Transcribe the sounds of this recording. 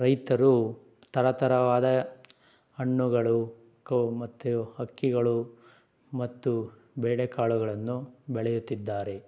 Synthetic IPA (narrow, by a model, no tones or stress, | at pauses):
ɾɐjt̪ɐɾu | t̪ɐɾɐt̪ɐɾɐʋaːd̪ɐ | ɐɳːuɡɐɭu | kɐmɐt̪ːuhɐkːiɡɐɭu | mɐt̪ːu | bɛːɽekaːɭuɡɐɭɐnːubɛɭɛjut̪ːid̪ːaːɾe̞